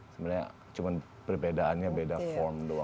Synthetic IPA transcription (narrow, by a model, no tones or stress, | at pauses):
səminɲa̰ | t͡ʃuman | pərbedaːnɲabedafɔrmdua